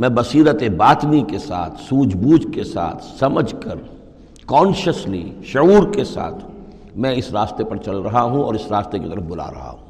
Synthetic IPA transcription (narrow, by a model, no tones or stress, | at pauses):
mɛ̃bɐsiːɾət̪ebaːt̪nikesa̰ːt̪ʰsuːd͡ʒbuːd͡ʒkesa̰ːt̪ʰsɐməd͡ʒʱkəɾ | kɔ̃ːnʃəsliʃɐuːɾkesa̰ːt̪ʰ | mɛ̃ɪsɾaːst̪epɐɾt͡ʃɐlɾɐɦaɦũɔ̰ːɾɪsɾaːst̪ekit̪ɐɾəfbʊla̰ɾɐ̰ɦa̰ɦũː